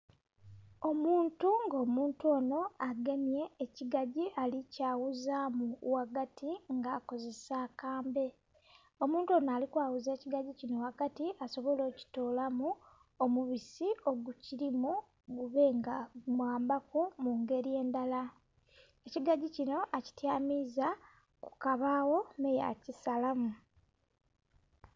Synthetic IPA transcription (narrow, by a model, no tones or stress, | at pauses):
o̞muːntuŋɡoːmuːntuo̞ːno̞aɡe̞nje̞ːciɡaɟiʔalicaːwuzamuwaɡatʰiŋɡaːko̞ze̞saːkaːmbe̞ | o̞muːntuo̞ːnaːlikwaːwuze̞ːciɡaɟicino̞akatiʔaso̞βo̞lo̞ːci̥to̞ːlamu | omuβisio̞ɡuciɾimu | ɡuβe̞ŋɡamwaːmbakomuŋɡe̞ɾije̞ːndala | e̞ciɡaɟicino̞ʔaci̥tjaːmiza | ku̥kaβaːwo̞meja̰cisalamu